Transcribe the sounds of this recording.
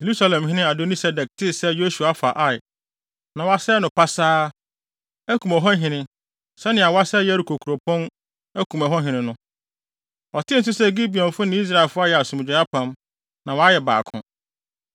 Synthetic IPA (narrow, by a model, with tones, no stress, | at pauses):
je˨ɾu˦sa˦lɛ̃˨mɦɪ̃˦nɪ̃˦a˨do˦ni˦sɛ˦dɛ˨k̚tʰɪ˦sɛ˦jo˦su˨a˨˦fa̰˨ʔa˦˨j | nã˨wa˦sɛ˦nʊ̃˨pa˦saː˦ | æ˦kʰũ˨mɔ˨ɦɔ˦ɦɪ̃˨nɪ̃˦ | sɛ˦nɪ̃˨a˨wa˦sɛ˦jɛ˦æ˦ɾu˨kʰo˨kʰu˨ɾo˨pʰɔ̃˦n | æ˦kʰũ˨mɔ˨ɦɔ˦ɦɪ̃˨nɪ̃˨nʊ̃˦ | ɔ˨tʰɪ˦n̩˨s̬ʊ˦sɛ˦˨ɡi˦bi˨ɔ̃˨n˨fʊ˦nɪ̃˦i˦s̬ɾa˦˨ɪ˨lfʊ˦a˦jɛ˨a˨sʊ̃˨m˨d͡ʑᶣɛ˨a˦pʰã˨m | nã˨wɔ˨˦a˦jɛ˨ba̰ː˨kʰʊ̰̃˨